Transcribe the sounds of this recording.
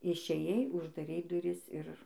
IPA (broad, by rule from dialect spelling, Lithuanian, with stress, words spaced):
ɪʃʲeːˈjɛɪ ʊʒdɐˈrʲɛɪ dʊˈrʲɪs ɪr